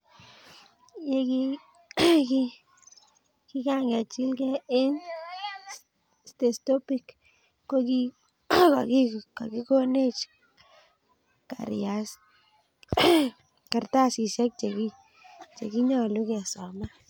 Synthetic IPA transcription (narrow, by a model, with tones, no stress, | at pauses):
je˦ɡi˦ | ɡi˦ | ki˦ɡa˦ŋɡa˨t͡ʃi˦lɡe˦e˦n | st̪e˨st̪o˦pi˧k | ko˦ɡi˦ | ka̰˨ɡi˦˨ka˨ɡi˦ɡo˦ne˦t͡ʃ | ka̰˨ɾja˨s | ka˨ɾt̪a˦˨si˨ʃa˦k̚t͡ʃe˨ɡi˦ | t͡ʃḛ˨ɡi˦ɲɔ˧˨lu˦ɡe˨so˨ma˦